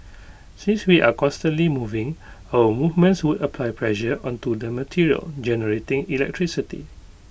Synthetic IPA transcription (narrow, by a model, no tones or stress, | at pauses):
sĩnswiʔakɔ̃stə̃nlimuvɪ̃ŋ | awəmuvmə̃nswudəpʰlajpʰlɛʃəʔɔ̃ntudəmətʰiɹiə̰ld͡ʒɛnəɹetɪ̃ŋilɛ̰k̚tʰɹisitḭ